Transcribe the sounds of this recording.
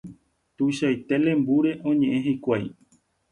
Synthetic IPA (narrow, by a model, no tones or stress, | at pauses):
t̪uʃajt̪e̞lẽ̞mbuɾe̞ʔõ̞ɲẽ̞ʔẽɦajkʷaj